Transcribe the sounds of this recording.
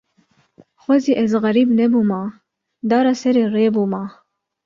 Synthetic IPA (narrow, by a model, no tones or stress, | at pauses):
xʷɛziʔɛzɣɐɾiːbnɛbuːmɑː | d̪ɑːɾɑsɛɾeːreːbuːmɑː